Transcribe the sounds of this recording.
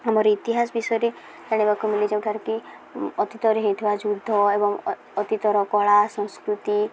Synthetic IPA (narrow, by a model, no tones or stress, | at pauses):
amɔɾit̪iɦasbisɔɾe | t̪aɽ̃ebakomiled͡ʒamkaɾki | ɔt̪it̪ɔɾɔɦet̪ʰʋad͡ʒud̪ʱːɔebɔŋ | ɔt̪it̪ɔɾɔkɔɭasɔ̃ñskɾut̪i